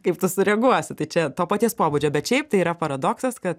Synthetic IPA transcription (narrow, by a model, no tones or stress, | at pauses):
kɐɪpt̪ʊsʊɾʲɛɡuɔsʲɪt̪ɐɪt͡ʃʲɛt̪oːpɑːt̪ʲiɛspoːbud͡ʒʲoːbʲɛt̪ʃʲɛɪp̚t̪ɐɪiːɾɐpɐɾɐd̪oːksɐskɐt̪